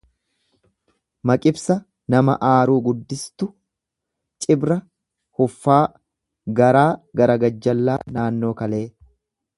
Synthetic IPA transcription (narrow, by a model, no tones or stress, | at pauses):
mɐkʼɪbsɐ | nɐmɐ̰ʔaːɾuːɡʊd̪ːɪst̪ʊ | t͡ʃʼɪbɾɐ | hʊfːaː | ɡɐɾaːɡɐɾɐɡɐd͡ʒːɐlːaːnaːnːo̞ːkɐle̞ː